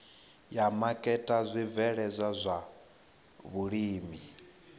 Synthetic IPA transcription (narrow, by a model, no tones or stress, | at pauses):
jamakʼɛtʼazʷivɛɺɛzʷazʷa | βuɺiːmi